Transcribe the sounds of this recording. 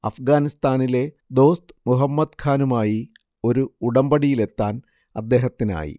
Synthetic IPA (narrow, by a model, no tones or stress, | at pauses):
ɐfɡaːnist̪aːnile̞ | d̪o̞ːst̪ɨmuɦɐmːɐd̪kʰaːnumaːji | o̞ɾuuɽɐmbɐɽijile̞t̪ːaːn | ɐd̪ːe̞ːɦɐt̪ːina̰ːjḭ